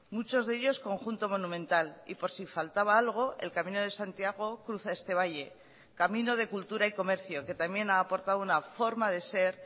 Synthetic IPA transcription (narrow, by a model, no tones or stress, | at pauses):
mut͡ʃo̞zðe̞ʎo̞sko̞ŋxunt̪o̞mo̞nũmẽ̞nt̪alḭpo̞ɾsifalt̪aβ̞aalɣ̞o̞ʔe̞̰lkamĩno̞ðe̞sant̪jaɣ̞o̞kɾuθae̞st̪e̞β̞aje̞ | kamĩno̞ð̞e̞kult̪uɾaiko̞me̞ɾθjo̞ke̞t̪amje̞naːpo̞ɾt̪aðunafo̞ɾmaðe̞se̞ɾ